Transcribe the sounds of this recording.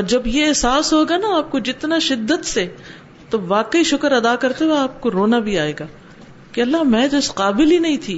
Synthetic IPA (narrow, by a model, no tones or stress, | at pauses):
ɔːɾd͡ʒɐbjeɛɦsaːsɦoːɡanaaːp̚kod͡ʒɪt̪naʃɪd̪ːət̪se | t̪oʋaːqəiʃʊkəɾɐd̪aːkɐɾt̪ewaaːp̚koɾoːnabʱiaːeːɡaː | keɐlːamɛ̃ːt̪oɪsqaːbɪlinɐɦĩt̪ʰiː